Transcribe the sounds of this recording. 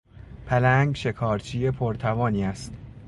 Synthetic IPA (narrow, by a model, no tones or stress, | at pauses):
pʰælæŋɡʃe̞kʰɒːɾt͡ʃʰiːjepʰoɾt̪ʰævɒːniːæst̪